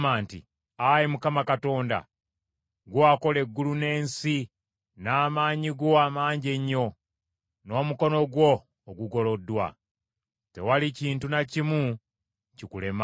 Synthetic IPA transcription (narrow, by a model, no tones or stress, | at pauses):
maːntḭ | ajimukamakato̞ːnda̰ | ɡwoako̞le̞ɡːulune̞ːnsi | naːmaːɲiɡo̞amaːɲɟe̞ɲːo̞ | no̞ːmuko̞no̞ɡwo̞ː | ɡuɡo̞lo̞dːwa̰ | te̞̰waliciːntunacimu | cikule̞ma